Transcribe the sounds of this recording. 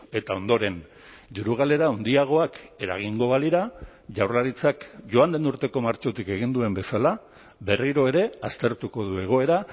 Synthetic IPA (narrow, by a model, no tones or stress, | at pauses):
e̞t̪ao̞nd̪o̞ɾe̞n | d̪iɾuɣ̞ale̞ɾaond̪iaɣ̞o̞ake̞ɾa̰ɣ̞iŋɡo̞βaliɾa | ʝawrlaɾit͡sakʝo̞and̪enuɾt̪e̞ko̞maɾt͡ʃo̞t̪ike̞ɣ̞ind̪ue̞mbesala | be̞riɾo̞e̞ɾe̞ast̪e̞ɾt̪uko̞ðue̞ɣ̞o̞e̞ɾa